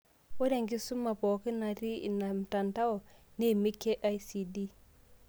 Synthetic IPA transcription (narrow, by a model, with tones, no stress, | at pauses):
wo˦de˦˨ŋɡi˦su˦mːa˨po˨ki˦na˨ɾi˦ḭ˨na˨m˨ta˨nta˦wo˨ne˦˨mi˦kːe˦ʔa˦jsi˨di˦